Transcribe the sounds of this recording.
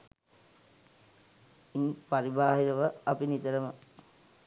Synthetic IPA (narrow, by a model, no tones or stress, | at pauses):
inpaɾibaːɦiɾəʋəapinit̪əɾəmə